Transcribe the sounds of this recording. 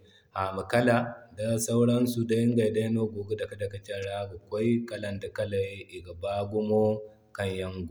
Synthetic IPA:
ʔa˨ma˨kɐ˦la˨da˨sa˦wɽɐ˦nsu˨da˦ɪ˦ŋɡa˨jda˦noː˦ɡʷoː˨ɡo˦da˨ka˦da˨kɐ˦t͡ʃɐ˦ɽa˦ɡa˨kʷa˦jkɐ˦lɐ˨nda˨kɐ˦la˨ji˦ʔɪ˨ɡa˨baː˦ɡʷʊ˦mo˦ | kɐ˦˨ɲjɐ˦ŋɡʷu˨

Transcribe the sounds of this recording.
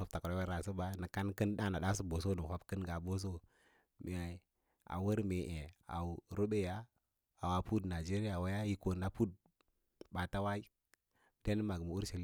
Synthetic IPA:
o˦b̚ta˨kɾo˦a˦ɾa˨sə˦ba˦nə˨ka˦n˦kə˦nɗa˦na˨ɗa˦s̬u˦bo˨s̬o˦nə˨o˦bkə˦nɡa˨bo˦s̬o˦ | mʔi˨a˨ | a̰˨wə˦ɾme˨ʔe˨a̰˨u˨ɾo˦ɓe˦ja˦ | a˨wa˨pu˦dna˨d͡ʒe˦ɾi˦ja˨wa˦ja˦ji˦ko˨na˨pu˦d̚ | ba˨ta˦wa˦i˦˨ | te˦n˦ma˨ɡmu˨u˦ɾʃa˨l

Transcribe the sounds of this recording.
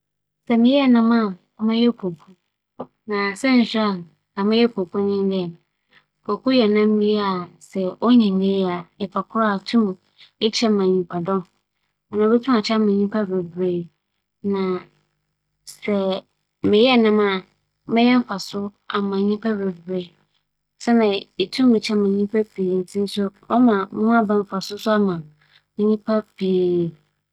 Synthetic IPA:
sɛ˨mɪ̃˨˦jɛ˦˨nã˦mã˦˨˦ | mɛ̃˦jɛ˦pʰo˨kʰu˦ | nã˨sɛ˦n̩˨ɕa˦˨n | nã˨mɪ̃˦jɛ˦pʰo˨kʰu˦nɪ̃˦n˦dɪ˦ɛ˨m˨ | pʰo˨kʰu˦jɛ˨nã˦m˦mi˦i˦a˨sɛ˨ɔ˦ɲĩ˨nːẽ˦a˨ɪ˨fa˨kʰʊ˦ɾa˦˨tʰũ˦m˨ | ɛ˦t͡ɕʰɛ˦˨mã˨ɲĩ˨pʰa˨dɔ̃˦m | ɔ˨nã˨bɛ˦tʰũ˦a˨t͡ɕʰa˦mã˨ɲĩ˦pʰa˦be˨bɾe˨ | nã˨ | sɛ˨ | mɪ̃˨jɛ˦˨nã˦mã˦˨ | mɪ̃˦jɛ̃˦m̩˦fa˨sʊ˦ | a˨mã˨ɲĩ˦pʰa˦be˨bɾe˨ | sɛ˦nã˨e˨tʰũ˦mmɪ̃˨t͡ɕʰɛ˦mã˨ɲĩ˦pʰa˦bʰe˨tʰi˦sʊ˦ | ɔ˦mã˨mʊ̃˦a˦bã˨m̩˦fa˨sʊ˦sʊ˦a˦mã˨ | mɪ̃˦ɲĩ˦pʰa˦pʰe˨e˨

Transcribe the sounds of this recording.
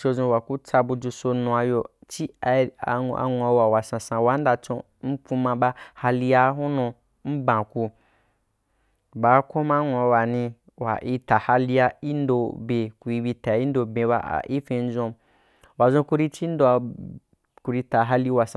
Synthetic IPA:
t͡ʃo˧zõ˧wa˨ku˦t͡sa˧bu˧d͡ʒu˧so˧nũ˧a˧jo˧t͡ʃi˦˧a˧˨a̰˨ŋʷ˨a˨˧wa˨wa˨sã˨sã˨wa˨˦n˦da˧t͡ʃõ˧ | n̩˦k͡pu˧mã˧ɓa˦ha˧li˧ja˦ɦu˦nõ˧ | m̩˦bã˨ku˧ | ba˨˦ko˦ma˦ŋʷ˨a˨˧˨wa˨nĩ˧ | wa̰˨ʔi˧ta˨ha˦li˧ja˦i˦n˦do˧be˨ku˨i˧bi˧ta˨i˦n˦do˧bẽ˨ba̰˧˦a̰˨ʔi˦fẽ˧n̩˦zõ˧ | wa˨zõ˧ku˧ɾi˧t͡ʃi˦n˦do˧ | ku˧ɾi˧ta˨ɦa˦li˦wa˨sa˨

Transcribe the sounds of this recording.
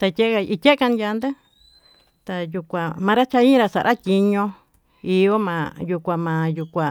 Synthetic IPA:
t̪a˧tʲe˦ʔka˧i˧tʲe˦ʔka˧nja˧nd̪e˦ | t̪a˧ju˧kʷã˧˨mãː˧ɾa˦t͡ʃa˧i˦ĩ˦˧ɾa˧sa˨ɾʔa˦tʲi˧ɲõ˧ | i˧o˦mã̰˧ju˧kʷa˧mã˧ju˧kʷã˨

